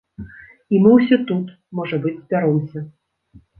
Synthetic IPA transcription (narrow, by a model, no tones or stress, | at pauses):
imɨwsʲɔt̪ut̪ | mɔʐɐbɨd͡zʲzʲbʲaɾɔmsʲɐ